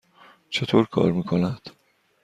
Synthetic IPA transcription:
t͡ʃʰe̞t̪ʰoːɾkʰɒ̰ːɾmiːkʰo̞næd̪̥

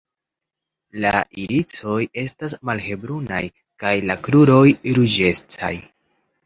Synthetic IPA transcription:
laʔiɾit͡so̞je̞stasmalhe̞bɾuna̰j | kajlakluɾo̞jɾud͡ʒe̞st͡sa̰j

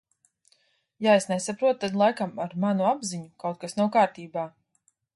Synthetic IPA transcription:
jaesnesapɾuɔt̪t̪ad̪lˠajkamaɾmanuabziɲukawt̪̚kasnawkaːɾt̪iːbaː

